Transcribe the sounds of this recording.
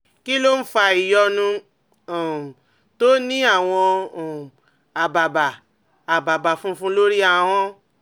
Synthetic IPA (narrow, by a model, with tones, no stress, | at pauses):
ki˦lo˦n̩˦fa˧i˨jɔ˧nũ˧˨ | to˦nĩ˦a˦˨w̃ɔ̃˧˨ | a˨ba˨ba˨ | a˨ba˨ba˨fũ˦fũ˦lo˦ɾi˦a˧w̃ɔ̃˦